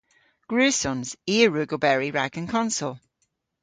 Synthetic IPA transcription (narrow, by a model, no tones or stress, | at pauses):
ɡ̥ɹʉːsʊ̃nz̥iːəɹʉːɡobɛɹiɹa̰ɡə̃nkʰɒ̃nsəlˠ